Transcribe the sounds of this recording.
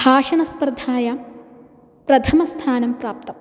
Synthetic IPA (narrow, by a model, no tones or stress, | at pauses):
bʱaːʂɐnɐspɾɐd̪ʱaːjɐ | pɾɐt̪ʰɐmɐst̪ʰaːnɐmpɾaːp̚t̪ɐm